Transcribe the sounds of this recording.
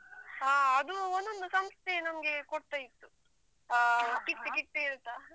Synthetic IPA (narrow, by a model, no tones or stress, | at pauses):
aːɐd̪uond̪ond̪usɐmst̪ʰenɐmɐɡe̞koʈ̚t̪ait̪ːu | kiʈ̪ːikiʈːeiɾt̪ːa